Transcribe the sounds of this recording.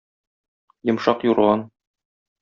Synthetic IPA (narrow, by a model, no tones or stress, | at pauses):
jɤ̆mʃɑqjuɾʁɑn